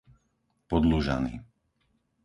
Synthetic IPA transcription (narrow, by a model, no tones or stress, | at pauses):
pɔd̪luʒa̰nḭː